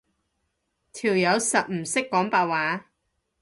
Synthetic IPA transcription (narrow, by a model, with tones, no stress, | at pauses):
t̪ʰiː˨˩wjɐ˨˧wsɐ˨t̚m̩˨˩sɪ˥kːɔː˨˥ŋpaː˧t̚waː˨˥